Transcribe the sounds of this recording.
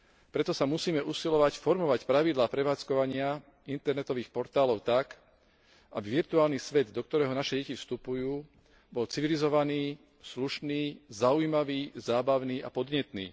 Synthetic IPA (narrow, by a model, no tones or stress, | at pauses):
pɾɛt̪ɔsamusiːmɛʔusilɔʋacfɔɾmɔʋacpɾaʋid̪laːpɾɛʋaːt͡skɔʋaɲɪa | int̪ɛɾnɛt̪ɔʋiːxpɔɾt̪aːlɔʊt̪ak | ʔabiʋiɾt̪uaːlnisʋɛd̪d̪ɔkt̪ɔɾɛːɦɔnaʃɛɟɛcifst̪upujuː | bɔlt͡siʋilizɔʋaniː | sluʃniːzaujmaʋiːzaːbaʊniːapɔd̪ɲɛt̪niː